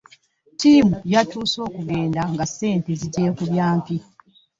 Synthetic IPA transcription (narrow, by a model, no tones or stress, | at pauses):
tiːmujatuːso̞ːkuɡe̞ːndaŋɡase̞ːnteziɟe̞ːkuβjaːmpi